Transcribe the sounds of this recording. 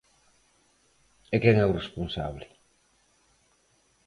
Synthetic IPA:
ekɛŋɛwresponsa̰βlɪ

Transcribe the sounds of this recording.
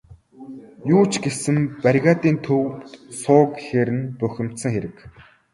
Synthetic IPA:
juːt͡ɕɡesɘ̆mpæɾʲɣaːt̪iːnt̪ʰɵwt̪sʊːkxeɾɘ̆npœxʲɪ̆m̥t̪sə̆ŋxeɾɘ̆k

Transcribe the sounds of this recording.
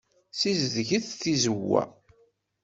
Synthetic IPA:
sizðʝəθθizəwːæ̰

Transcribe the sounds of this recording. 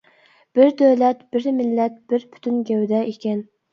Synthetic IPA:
b̥ɪɾd̪øwlɛt̪b̥ɪɾmɪlːɛt̪̚b̥ɪɾpʰy̥t̪ʰynɡʲɛwd̪ɛʔekʲʰɛn

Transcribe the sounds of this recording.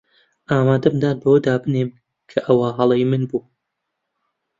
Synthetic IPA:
ʔaːmaːd̪ɐmd̪aːnbɐwɐd̪aːbɨneːm | kʰɐʔɐwaɦɑlˠɐjmɨnbuː

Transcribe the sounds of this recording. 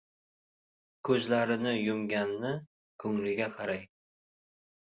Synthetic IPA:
kʰɵzlaɾɪnɪjʊmɡʲanːɪ | kʰɵŋlɪɡʲaqʰɑɾaj

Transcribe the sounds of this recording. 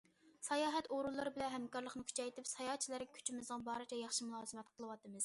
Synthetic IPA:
sɑjɑːɦɛt̪oɾulˠːɨɾɨbɪlɛnɦɛmkɑɾlˠəχnɨkʲʰy̥t͡ʃʰɛjt̪ʰɪpsɑjɑt͡ʃʰilæɾɡʲɛkʲʰy̥t͡ʃʰimɪzəŋbɑːɾɨt͡ʃʰɛjɑχʃimulˠɑːzɨmɛt̪qʰəlˠɨwɑt̪ɨmɨz̥

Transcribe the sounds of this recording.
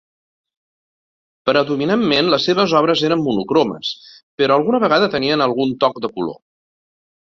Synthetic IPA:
pɾəðuminamːenləsːeβ̞əzɔβɾəzeɾəmːunukɾomə̰s | pəɾɔəlˠɣunəβəɣ̞aðət̪əniənəlˠɣunt̪ɔk̚d̪əkulo̰

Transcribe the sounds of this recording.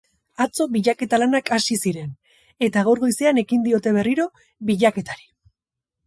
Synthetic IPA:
at͡so̞βbiʎake̞t̪alanakasisiɾe̞n | e̞t̪aɣawɾɣo̞jse̞ane̞kind̪io̞t̪e̞βe̞riɾo̞ | βiʎake̞t̪aɾi

